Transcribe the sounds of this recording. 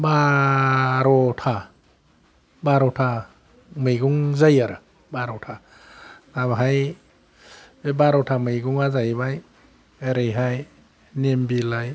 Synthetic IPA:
ba | ɾɔtʰa | baɾɔtʰa | mɯjɡuŋzajaɾɯ | baɾɔtʰa | nabɦaj | bebaɾɔtʰamɯjɡuŋazajbaj | eɾejɦaj | nembilaj

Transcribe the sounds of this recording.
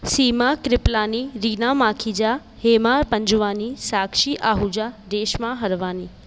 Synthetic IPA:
siːmakɾɪplaːniɾiːnamãːkʰid͡ʑa | heːmaːɾpə̃ɲd͡ʒuʋaːnisaːkʃiʔaːɦud͡ʑad̪eːʃmãɦəɾʋaːniː

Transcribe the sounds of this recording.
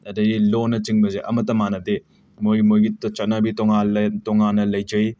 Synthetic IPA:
ɐdɐɡilonɐt͡ʃiŋbɐzeʔɐmɐtɐmanɐde | mojmojɡitt͡ʃɐt̚nɐbitoŋatoŋanːɐlɐjd͡ʒɐj

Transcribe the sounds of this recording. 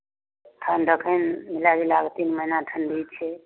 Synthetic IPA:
tʰənɖəkʰənmilaɾilaɡt̪inməɦinat̪ʰənɖit͡ʃʰɛ

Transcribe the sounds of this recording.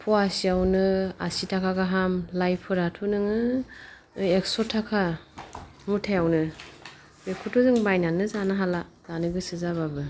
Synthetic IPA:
pʰɔasiawnɯa̰sitʰakʰaɡaɦamlajpʰɯɾatʰunɯŋɯ | eksɔtʰakʰa | mutʰajawnɯ | bekʰutʰɔzɯŋbajnanɯzanɯɦalazanɯɡɯsɯzaβabɯ

